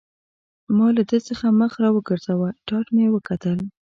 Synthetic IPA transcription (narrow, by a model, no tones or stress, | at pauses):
mɑlad̪ət͡səxaməxɾɑwəɡəɾzawəʈɑʈmewəkat̪əl